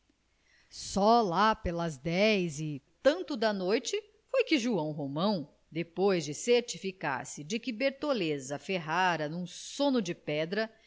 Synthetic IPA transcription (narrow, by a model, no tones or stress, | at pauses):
sɔlapelɐzd̪ɛjzɪt̪ɐ̃nt̪ʊd̪ɐnojt͡ʃɪ | fojkɪʒuɐ̃w̃ɦomɐ̃w̃ | d̪epojzd͡ʒɪseɾt͡ʃifika̰ɾsɪd͡ʒɪkɪbeɾt̪olezɐfeɦaɾɐnũsõnʊd͡ʒɪpɛd̪ɾɐ